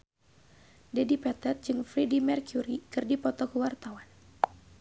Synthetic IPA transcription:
dɛdipɛt̪ɛt̪̚d͡ʒɨŋfɾidimɛrkjuɾikɨrdipɔt̪ɔkəwart̪awan

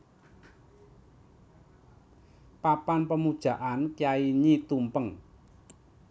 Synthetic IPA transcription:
papanpəmud̥ʒ̥a̤ʔankjaiɲit̪umpəŋ

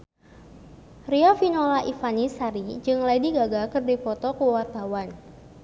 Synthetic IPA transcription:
riafinolaʔifanisaɾid͡ʒɨŋladiɡaɡakɨrdipɔt̪ɔkuwart̪awan

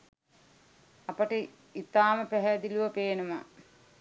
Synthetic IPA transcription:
ɐpəʈə | it̪aːməpæɦɛd̪iluʋɐpeːnəma̰

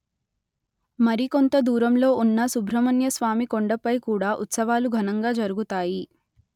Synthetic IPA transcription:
mɐɾiko̞nt̪ɐd̪uːɾɐmlo̞ːʔunːɐsubʱɾɐmɐnjɐsʋaːmikoɳɖɐpɐjkuːɽaːʔut̪sɐʋaːluɡʱɐnɐŋɡaːd͡ʒɐɾuɡut̪aːji

